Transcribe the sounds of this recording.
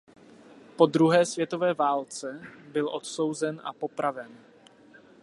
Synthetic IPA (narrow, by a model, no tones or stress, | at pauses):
po̞d̪ɾuɦɛːsvjɛt̪o̞vɛːvaːlt͡sɛbɪlʔo̞t̪so̞wzɛnʔa̰po̞pɾavɛn